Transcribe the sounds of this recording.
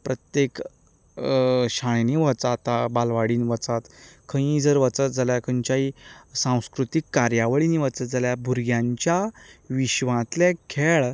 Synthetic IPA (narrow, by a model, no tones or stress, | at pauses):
pɾət̪jek | ɕaɳ̃niʋət͡sat̪abalʋaɽiːnʋət͡sat̪kʰə̃ĩd͡zəɾʋət͡sət̪̚d͡zaljakʰəɲt͡ɕaisãw̃skɾut̪ikːaɾjaʋəɭiniʋət͡sət̪̚d͡zaljabʱuɾɡjãɲt͡ɕjaʋiɕʋãt̪lɛkʰeɭ